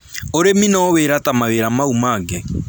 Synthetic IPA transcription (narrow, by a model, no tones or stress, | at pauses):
oɾeminɔweɾatamaweɾamaumaːɡɛ